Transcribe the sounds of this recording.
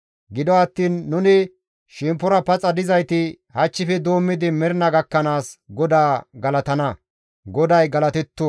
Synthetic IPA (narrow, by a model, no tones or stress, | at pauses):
ɡɪd̪ɔɐt̪ːiːnːʊnɪ | ʃɪmpːɔɾɐpɐt͡sʼɐd̪ɪzɐjt̪ɪ | hɐt͡ʃːɪfɛd̪o̞ːmːɪd̪ɪmɛɾnɐɡɐkːɐnaːsɡɔd̪aːɡɐlɐt̪ɐnɐ | ɡɔd̪ɐjɡɐlɐt̪ɛt̪ːʊ